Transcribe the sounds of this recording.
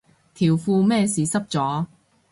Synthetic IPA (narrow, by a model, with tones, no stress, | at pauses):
t̪ʰiː˨˩wfuː˧mɛː˥˧siː˨sɐ˥p̚t͡sɔː˨˥